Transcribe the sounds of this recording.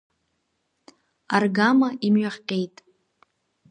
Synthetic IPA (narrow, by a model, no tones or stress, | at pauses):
arɡamaʔimɥaχʲqʲʼe̞jtʼ